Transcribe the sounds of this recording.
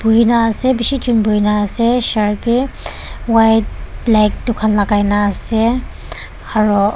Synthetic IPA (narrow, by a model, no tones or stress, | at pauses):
b̥uɦinaːsɛbisit͡ʃunbuɦinaːsɛsaɹpi | wajt̚blɛk̚tʊkʰanlaɡajnaːsɛ | aɹu